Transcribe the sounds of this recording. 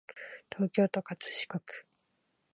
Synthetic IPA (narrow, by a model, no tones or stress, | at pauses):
t̪ʰo̞ːkʲo̞ːt̪o̞kat͡sɨ̥ɕi̥kokɯ̥